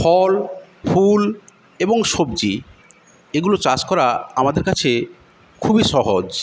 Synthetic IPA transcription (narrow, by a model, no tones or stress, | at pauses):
fʰɔl | fʰul | eboŋʃobd͡ʑi | eɡulot͡ɕad͡ʑkɔɾaamad̪eɾkat͡ɕʰe | kʰubiʃɔɦod͡ʑ